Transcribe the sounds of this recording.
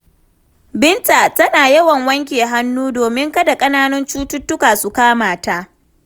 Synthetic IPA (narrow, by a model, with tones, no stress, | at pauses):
bɪ˦nta˨tɐ˦naː˨jɐ˦wɐ˨ŋwɐ˦ŋk̬ʲeː˨ɦa˦nːuː˦doː˨mɪ˦ŋkɐ˦da˨kʼɐ˦naː˦nɐ˦nt͡ʃuː˦tʊ˦tːʊ˦kaː˨su˨kaː˦maː˨ta˦ʔ